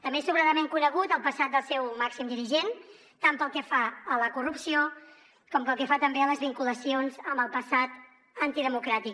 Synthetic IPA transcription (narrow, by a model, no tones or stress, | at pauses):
t̪əmbesuβɾaðəmeŋkunəɣ̞ut̪əlˠpəsat̪̚d̪əlˠsɛwmaksimd̪iɾiʒen | t̪ampəlˠkɛfaələkurupsio | kɔmpəlˠkɛfat̪əmbeələzβiŋkuləsionzəmbəlˠpəsat̪ | ənt̪iðəmukɾat̪ik